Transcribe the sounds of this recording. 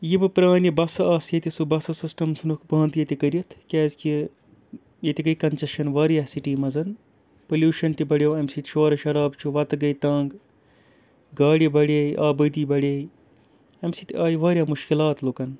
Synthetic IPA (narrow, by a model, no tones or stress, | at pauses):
jibɨpɾaːnibɐsɐɐːsjet̪isubɐsɨsisʈɐmsɨnukbɐ̃ːnd̪jet̪ikɐɾiɐt̪ʰkʲɛːzki | jet̪iɡɐjkɐnt͡ʃɐʃɐnʋaːɾjasiʈiːmɐzɐn | pɐljuːʃɐnʈ̪ibɐɽjewɐmsit̪ʃoːɾɐʃɐɾaːbt͡ʃʰuʋɐt̪ɡɐjt̪ɐːŋɡ | ɡaːɽibɐɽeːjʔaːbəd̪iːbɐɽeːji | ɐmsit̪aːjiʋaːɾʲjaːmuʃkilaːt̪loːkɐn